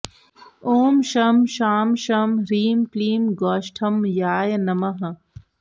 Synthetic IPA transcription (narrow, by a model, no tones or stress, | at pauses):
oːmʃɐmʃaːmʃɐmɾiːmkliːmɡaːʃʈʰɐmjaːjnɐmɐɦɐ